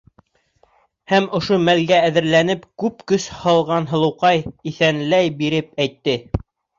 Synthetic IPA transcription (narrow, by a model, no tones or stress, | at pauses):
hæmŏʃomælɡæːðɘ̆ɾlænɘpkʉp̚kɵshɑlˠʁɑnɦɤ̆lˠɤ̆wqɑjiθænlæjbiɾɘp̚æjt̪ːɘ